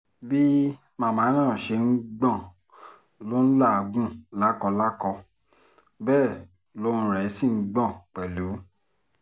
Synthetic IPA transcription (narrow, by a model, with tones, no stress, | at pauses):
bi˦ | mã˨˦˨mã˨˦nãː˦˨ʃe˧n̩˦ɡ͡bã˦˨ | lo˦n̩˦la˦˨˧ɡ͡bũ˦la˦kɔ˧la˦kɔ˧ | bɛː˦˨ | lo˦ũ˧˦ɾɛ˨˦si˦˨ŋ̩˦ɡ͡bã˦˨k͡pɛ˨lu˨˦